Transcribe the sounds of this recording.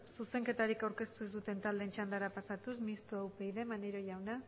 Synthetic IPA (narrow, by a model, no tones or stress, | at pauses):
suse̞ŋke̞t̪aɾikawɾke̞st̪usd̪ut̪e̞nt̪ald̪eːnt͡ʃand̪aɾapasat̪usmist̪oawpejðe̞maneɾo̞ʝawna